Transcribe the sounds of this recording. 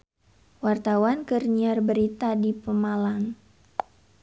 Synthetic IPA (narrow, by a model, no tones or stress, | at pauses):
wart̪awankərɲiarbəɾit̪adipəmalaŋ